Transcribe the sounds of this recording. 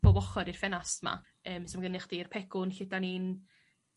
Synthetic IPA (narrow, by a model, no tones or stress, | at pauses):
b̥ɔvɔχɔɾir̥fɛnastma̰ | əːmsɔmɡənɪχd̥irpʰɛɡ̥ʊnɬɪdanin